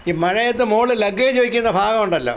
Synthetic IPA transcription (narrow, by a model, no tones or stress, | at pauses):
imɐɻɐjɐt̪ːɨmoːɭɨlɐɡːɐjt͡ɕoːʋikʲːunːɐbʱaːɡɐmuɳɖɐlːo̰